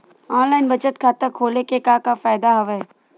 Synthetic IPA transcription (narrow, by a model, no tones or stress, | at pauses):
ɔːnlaːɪnbət͡ʃət̪kʰaːt̪əkʰoːlekekaːkafaːɪd̪aɦɐʋɛ